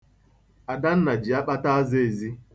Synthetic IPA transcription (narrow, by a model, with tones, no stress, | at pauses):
a˨da˦n̩˦na˨d͡ʒi˨a˦k͡pa˦ta˦a˦ze˦e˨zi˦